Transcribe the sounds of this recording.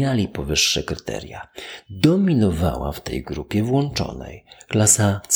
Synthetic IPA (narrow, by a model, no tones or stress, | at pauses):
alʲipɔvɘʂːɛkɾɘt̪ɛ̰ɾjad̪ɔmʲinɔva̰wa̰ft̪ɛjɡɾupʲjɛvwɔnt͡ʂɔ̰nɛ̰jklasas